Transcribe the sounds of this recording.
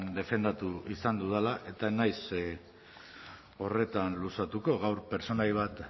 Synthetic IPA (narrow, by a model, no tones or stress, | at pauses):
nd̪e̞fe̞nd̪at̪uisand̪uðelaʔe̞t̪anajs | o̞re̞t̪anlusat̪uko̞ɣawɾpe̞ɾt͡so̞najβ̞at̪